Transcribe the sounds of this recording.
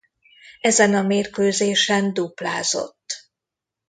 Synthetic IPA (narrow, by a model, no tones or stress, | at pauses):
ɛzɛnɒmeːrkøːzeːʃɛnd̪uplaːzo̞̰t̪ː